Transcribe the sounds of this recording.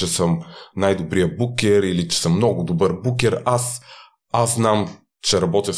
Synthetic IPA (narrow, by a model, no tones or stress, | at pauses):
ɛsəmnajd̪obɾijəbukʲɛɾilit͡ʃɛ̥səmːnɔɡʊd̪obəɾbukʲɛɾas | azznam | t͡ʃɛɾɐbɔt̪ʲif